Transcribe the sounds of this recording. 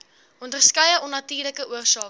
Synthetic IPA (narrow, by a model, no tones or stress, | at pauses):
ʔɔndərskɐjəɔnːɐtiːrləkəʔuərsɑː